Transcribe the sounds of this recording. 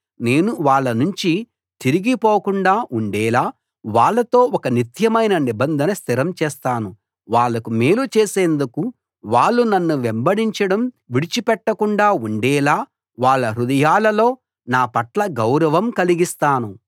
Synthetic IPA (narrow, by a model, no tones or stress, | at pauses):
ne̞ːnuʋaːɭːɐnuɲt͡ʃi | t̪iɾiɡipoːkuɳɖaːʔuɳɖɛːlaː | ʋaːɭːɐt̪o̞ːɔkɐnit̪jɐmɐjnɐnibɐnd̪ʱɐnɐst̪ʰiɾɐmt͡ʃɛːst̪aːnu | ʋaːɭːɐkumeːlut͡ʃeːse̞ːnd̪uku | ʋaːɭːunɐnːuʋembɐɽiɲt͡ʃɐɽɐm | ʋiɽit͡ʃipɛʈːɐkuɳɖaːuɳɖɛːlaː | ʋaːɭːɐɾud̪ɐjaːlɐlo̞ː | naːpɐʈlɐɡɐwɾɐʋɐmkɐliɡist̪aːnu